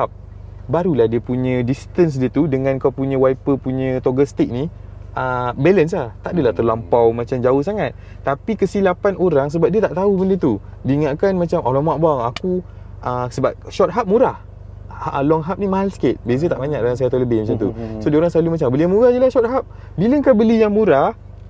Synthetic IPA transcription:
ap̚ | baɾulahdiəpuɲə̃disi̥t̪əns̬diət̪udəŋãnkawpuɲə̃wajpəpuɲə̃t̪oɡəst̪ik̚niʔəbɛləns̬laht̪aʔdəlaht̪ərlampawmãt͡ʃamd͡ʒaohsaŋat̪̚ːapikəsilapanoɾaŋs̬əbap̚diət̪aʔt̪aubəndət̪udiːŋaʔkanmat͡ʃamʔalɔmaʔbaŋaku | ʔəsəbap̚ʃɔt̪̚ɦap̚muɾah | əlɔŋɦap̚nimaɦalskɪt̪̚bes̬ət̪aʔbaɲak̚daŋans̬ajat̪aləbɪhmat͡ʃamt̪usodiəoɾaŋsəlalumat͡ʃambəlijaŋmuɾahdəlahʃɔt̪̚ɦap̚ | biləŋkabəlijaŋmuɾah

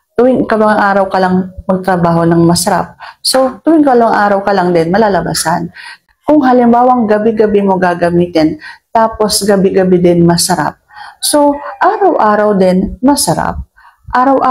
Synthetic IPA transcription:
t̪ʊwɪŋkɐmɐŋaʔaːɾɐwkɐlaŋmɐɡ̚t̪ɾɐbaːɦo̞nɐŋmɐsɐɾa̰p̚so̞t̪ʊwɪŋkɐlɐŋaʔaːɾɐwkɐlaŋd̪ɛnmɐlaːlɐba̰san | kʊŋɦɐlɪmbaːwɐŋɡɐbɪɡɐbɪmo̞ɡaːɡɐmiːt̪ɛnt̪aːpo̞sɡɐbɪɡɐbɪd̪ɛnmɐsɐɾa̰p̚so̞ʔaːɾɐwʔaːɾɐwd̪ɪnmɐsɐɾa̰p̚ | ʔaːɾɐwʔa

